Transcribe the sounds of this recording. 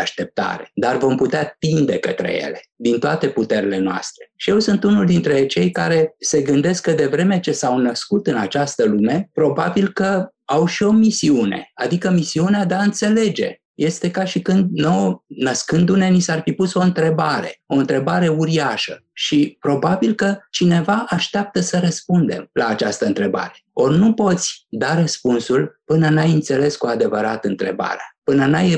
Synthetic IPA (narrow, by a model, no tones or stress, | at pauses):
aʃt̪e̞p̚t̪a̰ɾe̞̥̰d̪arvo̞mput̪eat̪ind̪e̞kə̰t̪ɾḛje̞̰le̞d̪int̪oat̪e̞put̪e̞ɾile̞noa̰st̪ɾe̞̥ʃije̞wsɨnt̪unuld̪int̪ɾe̞t͡ʃe̞jka̰ɾe̞se̞ɡɨnd̪e̞skːəd̪e̞vɾe̞me̞t͡ʃe̞sawnəskut̪ɨnat͡ʃast̪əlume̞pɾo̞babilkə | awʃio̞misiune̞̰ad̪ikəmisiunead̪eaɨnt̪se̞le̞d͡ʒe̞̰ | je̞st̪e̞kaʃikɨnd̪̚nownəskɨnd̪une̞nisarfipuso̞ɨnt̪ɾe̞baɾe̞o̞ɨnt̪ɾe̞baɾe̞uɾiaʃə | ʃipɾo̞babilkət͡ʃine̞vaʔaʃt̪eap̚t̪əsəɾəspund̪e̞̰mlaːt͡ʃast̪əɨnt̪ɾe̞ba̰ɾe̞̥o̞rnupo̞t̪sʲd̪arəspunsulpɨnənajɨnt̪se̞le̞skuad̪e̞vəɾa̰t̪ɨnt̪ɾe̞̰ba̰ɾeapɨnənaj